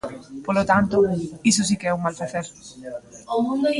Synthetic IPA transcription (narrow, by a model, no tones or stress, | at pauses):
polot̪ant̪ʊis̬ʊs̬ikeɛuŋmalfaθeɾ | oũnd̪o